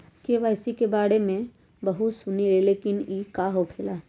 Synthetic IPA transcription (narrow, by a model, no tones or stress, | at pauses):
keʋaːɪsikebaːɽemẽ | bɐɦʊt̪sʊniɾeleːkɪniːkaːɦopʰeːla